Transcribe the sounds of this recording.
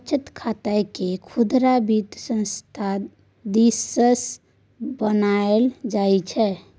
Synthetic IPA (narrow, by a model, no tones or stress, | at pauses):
t͡ʃʰət̪kʰat̪əjkekʰud̪ɾabit̪sə̃nst̪ʰa | d̪isəs | bənaeld͡ʒajt͡ʃʰɛ